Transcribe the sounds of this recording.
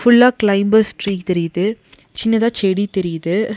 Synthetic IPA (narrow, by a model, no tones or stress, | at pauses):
fʊɭːaːklɐɪmbɐsʈɾiːkt̪ɛɾɪjðɯ | t͡ʃɪnːɐðãːt͡ʃɛɽit̪ɛɾɪjðɯ